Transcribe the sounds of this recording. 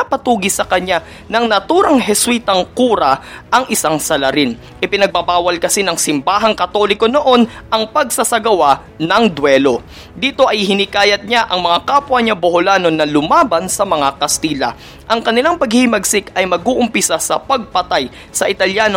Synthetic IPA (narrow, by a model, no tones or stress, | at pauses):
ɐpɐt̪uːɡɪsɐkɐɲa | nɐŋnɐt̪uːɾɐŋɦɛswiːt̪ɐŋkuːɾɐʔɐŋʔɪsaŋsɐlɐɾɪn | ʔɪpɪnɐɡ̚bɐbaːwɐlkɐsinɐŋsɪmbaːɦɐŋkɐt̪o̞lɪko̞no̞ʔo̞nɐŋpɐɡ̚sɐsɐɡɐwa | nɐŋd̪wɛlo̞ | d̪iːt̪o̞ʔɐjɦɪnɪkaːjɐt̪̚ɲaʔɐŋmɐŋakaːpwɐɲabohʊlaːno̞nɐlʊmaːbɐnsɐmɐŋakɐst̪iːlɐ̰ | ʔɐŋkɐnɪlaŋpɐɡhɪhɪmɐɡsɪkɐjmɐɡuːʔʊmpɪsasɐpɐɡ̚pɐt̪aj | sɐʔɪt̪ɐljaːno